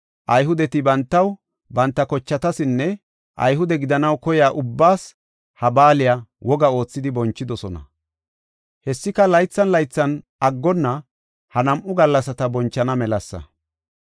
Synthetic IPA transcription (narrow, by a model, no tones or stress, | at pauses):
ʔɐjɦʊd̪ɛt̪ɪbɐnt̪ːɐw | bɐnt̪ːɐkɔt͡ʃːɐt̪ɐsɪnːɛ | ʔɐ̰jɦʊd̪ɛɡɪd̪ɐnɐwkɔjaːʔʊbːaːs | hɐbaːlɪjawɔɡɐo̞ːt͡sːɪd̪ɪbɔnt͡ʃːɪd̪ɔsɔnɐ̰ | hɛsːɪkɐlɐjt͡sːɐnlɐjt͡sːɐn | ɐɡːɔnːɐ | hɐnɐmʔʊɡɐlːɐsɐt̪ɐbɔnt͡ʃːɐnɐmɛlɐsːɐ̰